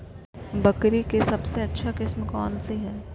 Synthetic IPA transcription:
bɐkɾikesɐbseɐtːʃʰakɪsmkɔːnseɦɛː

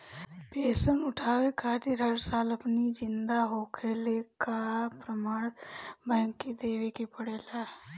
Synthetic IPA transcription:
peːsənʊʈʰaːʋekʰaːt̪ɪɾɦəɾsaːləpnid͡ʒɪnd̪aːɦoːkʰeːleːkaːapɾəmaːɽbɛ̃ːŋkːid̪eːʋekipəɽeːlaː

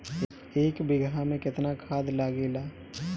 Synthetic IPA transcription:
eːkbɪɡamẽkɪt̪nakʰaːd̪laːɡeːlaː

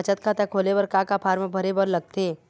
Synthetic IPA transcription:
t͡ʃət̪kʰat̪ekʰoːlebəɾkakapʰaːɾmbʱəɾebəɾlɐɡ̚t̪eː

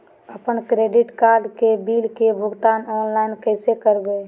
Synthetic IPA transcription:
əpənkɾeɖɪʈkaɾɖkebilkebʱʊɡt̪anɔnlaɪnkəɪsekəɾbe

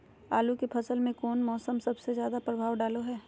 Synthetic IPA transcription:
aːlukepʰɐsəlmẽkɔːnmɔːsəmsɐbsezjaːd̪apɾəbʱaːwɖaːloɦɛː

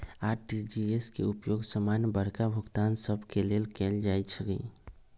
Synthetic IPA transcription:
aːɾʈid͡ʒieskḛʊpjoːɡsəmaːnjəbəɾkabʱʊɡt̪aːnsəbʱkeleːlkeːld͡ʒaːit͡ʃʰɡḭ

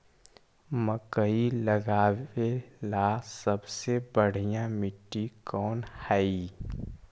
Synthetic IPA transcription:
məkəiləɡaːelasəbsebəɽ̤ijãmɪʈːikɔːnhɛi

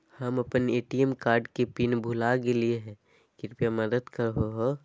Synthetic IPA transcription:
həmɐpəneːʈiemkaːɾɖkepinbʱulakelieɦɛ̃ | kɪɾpijaməd̪əd̪kəɾɦoɦo

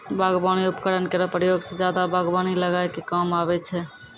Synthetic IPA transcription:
bʱaɡbaniupkəɽənkeɾɔpɾəjoɡsẽd͡ʒjad̪abaɡbaniləɡajkekamabɛt͡ʃʰɛ

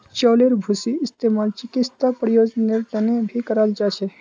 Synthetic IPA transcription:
t͡ʃɔleɾbʱusiɪst̪emalt͡ʃɪkist̪apɾjod͡ʒneɾt̪ənebʱikəɾald͡ʒat͡ʃʰe

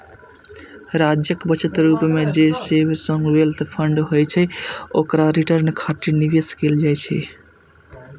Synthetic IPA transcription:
ɾad͡ʒjəkbət͡ʃət̪ɾupmed͡ʒesebsə̃ŋɡbelt̪ɔpʰəɳɖɦojt͡ʃʰɛokɾaɾiʈəɾnkʰaʈiniʋeskeld͡ʒajt͡ʃʰɛ̰

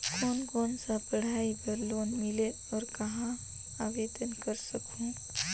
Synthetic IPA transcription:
koːnɡoːnsapəɽ̤aːibəɾloːnmɪle | ɔːɾkɐɦã | aːʋeːd̪ənkəɾsəkɦũː

